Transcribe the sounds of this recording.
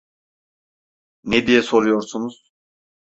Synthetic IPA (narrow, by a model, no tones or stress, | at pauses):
ned̪ijɛso̞ɾujo̞ɾsunuz̥